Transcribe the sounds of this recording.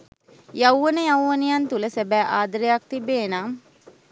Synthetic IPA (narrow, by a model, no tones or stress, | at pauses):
jawʋənəjawːənejant̪uləsæbæːʔaːd̪əɾejak̚t̪ibeːna